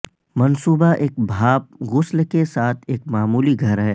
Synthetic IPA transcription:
mɐnsuːbaʔeːk̚bʱaːp̚ɣʊslkesaːt̪ʰeːkmaːmuːliɡʱɐɾɦɛː

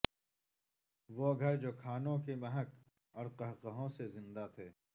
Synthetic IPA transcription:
ʋoɡʱɐɾd͡ʒoːkʰaːnõkemɐɦək | ɔːɾqəɦqəɦõsezɪ̃nd̪at̪ʰeː

